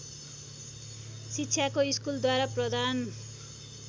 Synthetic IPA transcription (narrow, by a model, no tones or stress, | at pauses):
sitːɕʰjakoiskuld̪waɾaprʌd̪ʱan